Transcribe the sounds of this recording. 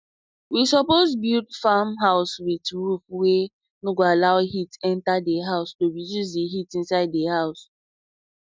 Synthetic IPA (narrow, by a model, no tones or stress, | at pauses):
wisɔpozbildfamɦaʊswitɹufwe | noɡoalaʊɦitɛ̃ntadeɦaʊstoɹijus̬deɦitĩnsaɪdːehaʊs